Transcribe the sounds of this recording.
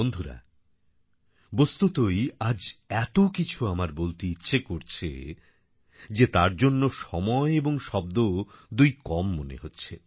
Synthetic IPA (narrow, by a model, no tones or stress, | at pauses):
ond̪ʱuɾa̰ | bost̪ut̪ojad͡ʑɛt̪okit͡ɕʰuamaɾbolt̪iitːɕʰekoɾt͡ɕʰḛ | d͡ʑet̪aɾd͡ʑonːoʃɔmɔeeboŋʃɔb̚d̪od̪ujkɔmːonḛɦotːɕʰe